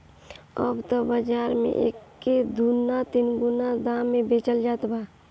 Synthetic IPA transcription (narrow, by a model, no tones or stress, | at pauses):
ə̰bt̪əbəd͡ʒaːɾmḛ̃ʔeːkːed̪unːat̪inɡunad̪ãmːẽbeːt͡ʃəld͡ʒaːt̪baː